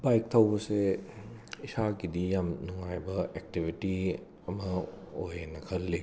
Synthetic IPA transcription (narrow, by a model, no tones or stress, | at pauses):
bajk̚tʰɐwbɐse | isakidijamnuŋajbɐek̚tibʱiti | ɐmɐ | ojenɐkʰɐlːi